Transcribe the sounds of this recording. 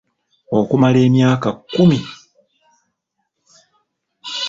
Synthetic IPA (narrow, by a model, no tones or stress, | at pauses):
okumale̞ːmjaːkakumi